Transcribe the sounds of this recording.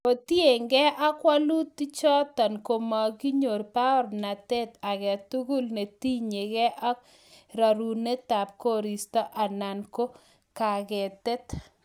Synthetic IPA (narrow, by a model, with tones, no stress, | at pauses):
o˨tje˨ŋɡɛ˦ʔa˦kwa˦lu˦t̪i˦t͡ʃɔ˦tɔ˨nko˨ma˨ɡi˦ɲo˨ɾpa˦ɔ˦ɾna˨tɛ˦t̪a˨ɡɛ˨tu˦ɡu˦lne˨ti˦ɲe˨ɡɛ˦ʔa˦k | ɾa˨ɾu˨ne˦ta˨p̚ko˦ɾi˨stɔ˦ʔa˨na˨nko˦ | ka˨ɡɛ˨tɛ˦t̪